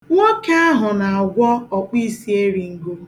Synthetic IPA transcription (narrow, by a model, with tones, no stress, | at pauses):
ŋo˦ke˦a˦ɦʊ˨na˨a˨ɡʷɔ˦ɔ˨k͡pʷi˦si˦e˦ɾi˨ŋ̩˦ɡo˦